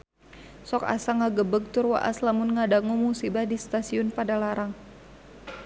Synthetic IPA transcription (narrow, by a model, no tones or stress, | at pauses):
sɔka̰saŋaɡəbəɡ̚t̪ʊrwa̰ʔa̰slamʊnŋadaŋumusibahdist̪asiʊnpadalaɾaŋ